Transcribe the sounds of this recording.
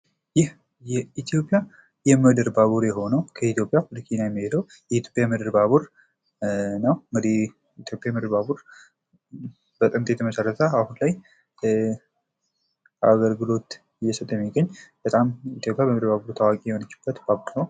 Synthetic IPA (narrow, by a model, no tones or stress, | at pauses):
jɪh | jɛit̪ʰjo̞pʼɪja | jɛmɨd̪ɨɾbaβuɾjɛɦo̞nəwkʰəit̪ʰjopʼjafɨlɨkʰinajɛmːiheləw | jɛit̪jo̞pʼjajmɨd̪ɨɾbaβuɾ | nəwmɨdi | it̪ʰjo̞pʼjamɨd̪ɨɾbaβuɾ | b̥ət̪ʼɨmt̪ʰet̪ʰəməsərːət̪ʰəahunlaj | aɡəɾɡɨlo̞t̪ | ɨjːɛsət̪ʼːəjɛmːiɡəɲːb̥ət̪ʼamit̪jo̞pʼjabəmd̪ɾbaβuɾt̪ʰawakʼijɛho̞nət͡ʃːɪ̥b̥ːət̪baβuɾnəw